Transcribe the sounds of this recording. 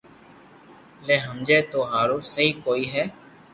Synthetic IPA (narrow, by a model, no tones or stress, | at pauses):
leːɦəmd͡ʒeːt̪oːɦaːɾoːsəɦiːkoːiːɦɛː